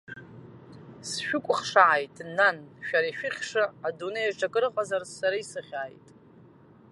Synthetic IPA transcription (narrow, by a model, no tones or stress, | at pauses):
sʃᶣʊkʷʼʊχʂaʕajtʼnanʃᶣaɾaiʃᶣɪχʲʂaadunejaʈ͡ʂʰʼakʼɨrqʼazarsaɾaisɨχʲaːjtʼ